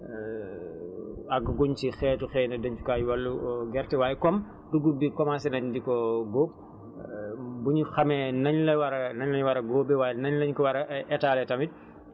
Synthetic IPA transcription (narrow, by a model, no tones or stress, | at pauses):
aɡɡuɲt͡ʃixɛːtuxɛːnɛdɐɲt͡ʃu̥kaːjwalːuɡɛɾtɛwaːjɛkɔm | duɡubikɔmasɛnɐɲdikɔɡoːb̚ | buɲuxɐmɛnɐɲlɛwaɾɐnɐɲlɐɲwaɾɐɡoːbɛwaːjnɐɲlɐɲkɔwaɾɐʔɛtaːlɛtɐmit̚